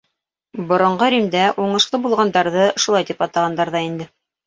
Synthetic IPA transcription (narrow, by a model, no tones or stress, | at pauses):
bŏɾŏɴɢɤɾʲimd̪æʔuɴɤ̆ʃq̪ˠɤbulˠʁɑnd̪ɑɾðɤʃulˠɑjt̪ipɑt̪ɑʁɑnd̪ɑɾðɑind̪ɘ